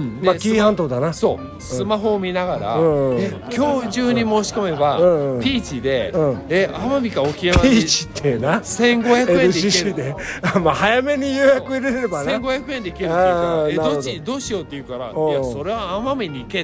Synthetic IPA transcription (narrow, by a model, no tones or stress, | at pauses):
makʲiːhãnt̪oːd̪anaso | sɯ̃ɨmaɦo̞ːmʲinaɡaɾa̰ɯ̃e | kʲo̞ːʑɨːɲ̟imo̞ːɕi̥ko̞me̞baɯɯ̃ɯ̃pʲiːt͡ɕid̪e̞ɯ̃eamamʲikaokʲinapiːt͡ɕi̥t̪ʰːenasẽ̞ŋɡohakɯnɯd̪ieid̪eamahajame̞ɲ̟ijɯːjakɯiɾeɾeɾebanẽŋɡohjakɯend̪eikeɾaenaɾood̪id̪o̞ːɕijo̞t̪ːe̞jɯ̟kaɾa̰oaso̞ɾe̞βaamamʲeɲʲiike